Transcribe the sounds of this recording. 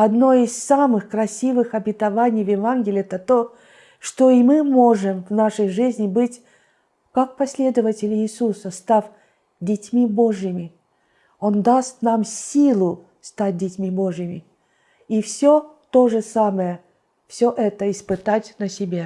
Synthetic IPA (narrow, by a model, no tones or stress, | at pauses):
ɐd̪no̞ɪssamɨxkɾɐsʲivɨxɐbʲɪt̪ɐvanʲɪjvjɪvanɡʲɪlʲɪɛt̪ət̪o | ʂt̪oɪmɨmoʐɨmvnaʂəjʐɨzʲnʲɪbɨtʲ | kak̚pɐsʲlʲe̞d̪əvətʲɪlʲɪsusəst̪afʲ | dʲɪtʲmʲibo̞ʐjɪmʲɪ | o̞nd̪ast̪namsʲilˠʊ | st̪at̚ʲdʲɪtʲmʲibo̞ʐɪmʲɪ | ifsʲo | t̪o̞ʐɨsaməjə | fsʲoʔɛt̪əɪspɨt̪atʲnəsʲɪbʲa